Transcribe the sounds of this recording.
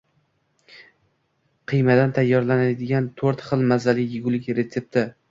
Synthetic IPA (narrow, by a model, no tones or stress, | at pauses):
qʰɨjmad̪ant̪ʰajːɒɾlanad̪ɪɡʲant̪ʰoɾt̪χɨlˠmazalɪjɪɡʊlɪkʲɾe̞t̪se̞p̚t̪ʰɪ